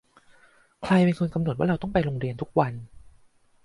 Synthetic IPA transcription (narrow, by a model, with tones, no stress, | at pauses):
kʰla˧jpe˧nkʰo˧nka˧mno˨˩waː˥ɾa˧wt̪ɔ˥˩ŋpa˧jɾoː˧ŋɾi˧ənt̪ʰu˦˥k̚wa˧n